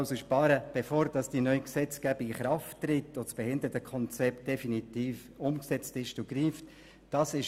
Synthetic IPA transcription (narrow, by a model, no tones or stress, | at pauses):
ʊsoʃpɑːɾəb̥efoːɾd̥ɑsd̥inœʏksɛt͡sɡ̥æbiɡɪχɾɑftːrɪtːosb̥ɛhɪndətəkʰɔnt͡sɛpt̚d̥ɛfinitiːf | ʊmksɛt͡stɪʃtoɡ̥riːft | d̥ɑsɪʃ